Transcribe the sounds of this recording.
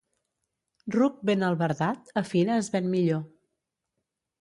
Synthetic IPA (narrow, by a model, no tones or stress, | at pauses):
ruk̚benəlˠβəɾðat̪əfinəːzβɛnmiʎo